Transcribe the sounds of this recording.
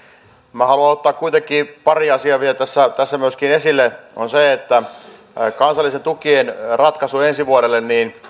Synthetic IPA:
mæhɑluɑot̪ːɑːkkuit̪ekːˑiːpɑriɑsiɑʋielt̪æsːæt̪æsːæmyøskinesilːeonseet̪ːæ | kɑnsɑlːˑisent̪ukienrɑt̪kɑsuensiʋuoɾelːenniːn

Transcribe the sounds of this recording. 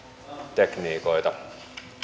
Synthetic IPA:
t̪ekniːko̞jt̪ɑ

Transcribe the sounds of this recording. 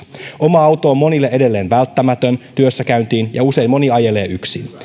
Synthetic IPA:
o̞mɑɑwt̪oːmːo̞nilːeʔe̞de̞lːe̞ːnʋælt̪ːæmæt̪ø̞nt̪yøsːækæynt̪iːnjɑuse̞ijmmo̞niɑje̞le̞ːʔyksḭn

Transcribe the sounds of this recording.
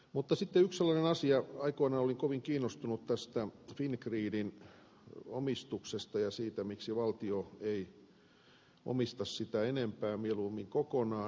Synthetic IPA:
mut̪ːɑsit̪ːeyksselːɑnenɑsiɑɑikoinɑoliŋkoʋiŋkiːnːost̪unut̪t̪æst̪æfinkriːdin | o̰mist̪uksest̪ɑjɑsiːt̪æmiksiʋɑlt̪ioei | o̰mist̪ɑssit̪æenempæːmieluːmiŋkokonɑː

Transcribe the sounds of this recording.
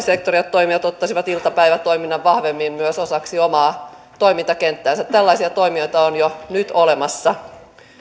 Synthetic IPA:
sekt̪oriot̪toimiʋɑt̪ot̪ːɑsiʋɑt̪ilt̪ɑpæiʋæt̪o̞iminːɑʋʋɑhʋemːimmyøsosɑksiomɑː | t̪oimint̪ɑkent̪ːæːnsætt̪ælːɑisiɑt̪o̞imiojt̪ɑonjonyt̪olemɑsːɑ

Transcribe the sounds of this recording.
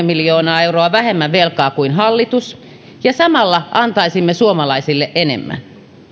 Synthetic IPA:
emiljoːnɑːeuroɑʋæhemːæʋʋelkɑːkuinɦɑlːit̪us | jɑsɑmɑlːɑʔɑnt̪ɑisimːesuomɑlɑisilːeʔʔenḛmːæ̰n

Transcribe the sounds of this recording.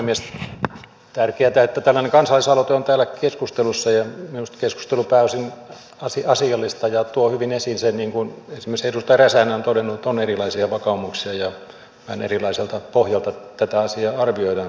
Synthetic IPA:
puhemies | t̪ærkeæt̪æet̪ːæt̪ælːæneŋkɑnsɑlːˑisɑlot̪eont̪æːlːækeskust̪elusːɑjɑminust̪kesku̥st̪elupæːosin | ɑsiɑsiɑlːist̪ɑjɑt̪uohyʋinesinsenniːŋkunensimːeserust̪ɑræsænæont̪odenːut̪onerilɑisiɑʋɑkɑumuksiɑjɑ | hɑnḛrilɑiselt̪ɑpohjɑlt̪ɑt̪æt̪æɑsiɑːɑrʋioidɑn

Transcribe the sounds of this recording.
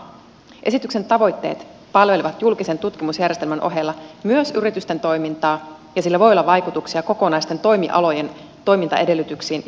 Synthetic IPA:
ʔe̞sit̪ykse̞nt̪ɑʋo̞jt̪ːe̞̰ːt̪ | pɑlʋe̞liʋɑt̪julkise̞nt̪ut̪k̟imusjærjest̪elmænʔo̞̰ɦe̞lːɑmyøsyɾit̪yst̪e̞nt̪o̞jmint̪ɑː | jɑsilːæʋo̞jolːɑʋɑjkut̪uksiɑko̞ko̞nɑjst̪e̞nt̪o̞jmiʔɑ̰lo̞je̞n | t̪o̞jmint̪ɑ̰e̞de̞lːyt̪yksiːn

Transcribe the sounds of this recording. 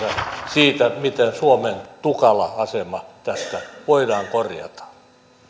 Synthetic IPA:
æsiːt̪æmit̪ensuoment̪ukɑlɑɑsemɑt̪æst̪æʋoidɑːŋkorjɑ̰t̪ɑ̥

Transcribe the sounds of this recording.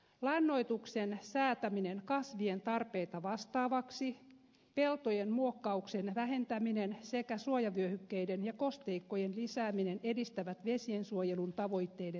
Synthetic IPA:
lɑnːo̞jt̪uksensæːt̪æminenkɑsʋie̞nt̪ɑrpe̞it̪ɑʋɑst̪ɑːʋɑksi | pe̞lt̪ojenmuokːɑukse̞nʋæɦe̞nt̪æminense̞kæsuojɑʋyøhykːeidenjɑko̞st̪e̞ikːo̞jenlisæːminene̞dist̪æʋæt̪ʋesie̞nsuoje̞lunt̪ɑʋo̞jt̪ːe̞ːjde

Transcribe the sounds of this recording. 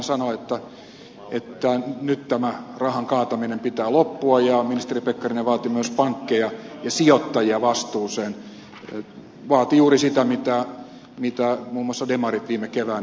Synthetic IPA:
nsɑnoet̪ːæ | et̪ːænyt̪t̪æmærɑhɑŋkɑːt̪ɑminempit̪æːlopːuɑjɑminist̪eripekːɑrineʋɑːt̪imyøspɑŋkːejɑjɑsiot̪ːɑjiɑʋɑst̪uːseːn | ʋɑːt̪ijuːrisit̪æmit̪æ | mit̪æmuːmoɑsːɑdemɑrit̪ʋiːmekeʋæː

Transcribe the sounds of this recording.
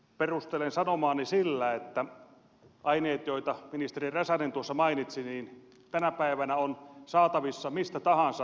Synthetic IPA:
perust̪elensɑnomɑːnːisilːæet̪ːæ | ʔɑineːt̪joit̪ɑminist̪eriræsænent̪uosːɑmɑinit̪siniːn | t̪ænæpæiʋænæonsɑːt̪ɑʋisːɑmist̪æt̪ɑhɑnsɑ

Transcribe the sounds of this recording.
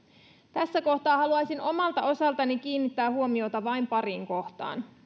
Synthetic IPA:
t̪æsːæko̞ht̪ɑːhɑluɑjsino̞mɑlt̪ɑʔo̞sɑlt̪ɑnik̟iːnːit̪ːæːhuo̞mio̞t̪ɑʋɑijmpɑɾiːŋko̞ht̪ɑ̰ːn

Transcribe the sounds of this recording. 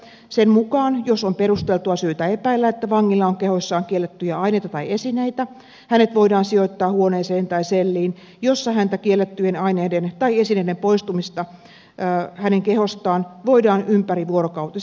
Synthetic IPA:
semmukɑːnjosomperust̪elt̪uɑsyːt̪æepæilːæet̪ːæʋɑŋːilːɑoŋkehosːɑːŋkielːet̪ːyjæɑineit̪ɑt̪ɑiesineit̪æ | hænet̪ʋoidɑːnsiot̪ːɑːhuoneːseːnt̪ɑiselːiːn | josːɑhænt̪ækielːet̪ːyjenɑineːdent̪ɑiesineidempoist̪umist̪ɑ | hæneŋkehost̪ɑːnʋoidɑːnʔympæriʋuoɾokɑut̪i

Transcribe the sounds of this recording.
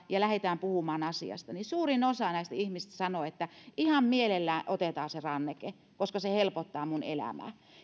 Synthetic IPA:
jɑlæhet̪æːmpuhumɑːnɑsḭɑ̰st̪ɑnisuːrinosɑnæˑist̪æihmist̪æsɑnoet̪ːæʔihɑmmielelːæːnʔot̪et̪ɑːserɑnːeke | koskɑsehelpot̪ːɑːmunḛlæ̰mæ̰ː

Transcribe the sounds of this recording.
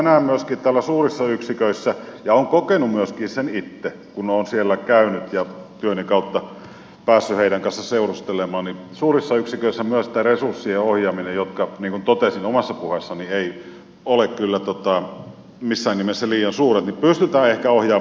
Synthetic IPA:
næːmmyøskiːt̪t̪æːlːæsuːrisːɑyksikøisːæjɑoːŋkokenumyøskiːsenit̪ːe | kunoːnsielːækæynyt̪jɑt̪yøneŋkɑˑut̪ːɑ | pæːsːyheiɾæŋkɑnsːɑseurust̪elemɑːnnisuːrisːɑyksikøˑisːæmyøst̪æresursːieohjɑːminejot̪kɑniːŋkunt̪ot̪esinomɑsːɑpuhesːɑnieˑi | olekkylːæt̪ot̪ɑ | misːæːnːimesːæliːjˑɑnsuːret̪nipyst̪yt̪æːehkæohjɑː

